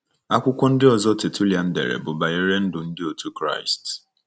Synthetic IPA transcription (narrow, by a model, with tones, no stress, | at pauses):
a˦kʷʊ˦kʷɔ˦n̩˦dɪ˦ɔ˨zɔ˦te˨tʰu˦lja˨n̩˦dḛ˨ɾḛ˨bʊ˨ba˨e˦ɾe˦n̩˦dʊ˨n̩˦dɪ˦o˨tu˦kɾa̰˦˨ɪ˨st